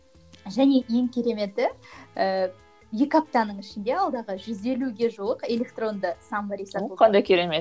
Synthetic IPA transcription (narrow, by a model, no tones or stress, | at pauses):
ʒæne̞je̞ŋkʲʰe̞ɾe̞me̞t̪ːɪə | jekʲap̚t̪ɑnəɴɪʃɪnd̪e̞ɑlˠd̪ɑʁəʒʏze̞luɡʲe̞ʒuəqe̞lʲe̞kt̪ro̞nd̪əsɑmbɑɾijsɑqʰɑnd̪ɑjkʲʰeɾemet̪